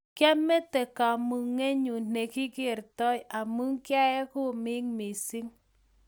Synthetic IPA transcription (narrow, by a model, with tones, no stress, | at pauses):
kja˦mɛ˦tɛ˨ka˨mu˨ŋe˦ɲu˨ne˨kɪ˦kɪ˦˨ɾtɔ˦ja˨mu˦ŋkja˦ɛ˦kʊ˦mɪ˦ŋmi˨si˦ŋ